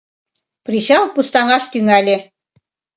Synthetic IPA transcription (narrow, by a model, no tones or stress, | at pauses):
priɕɑlˠpust̪ɑŋɑʃt̪yŋælʲĕ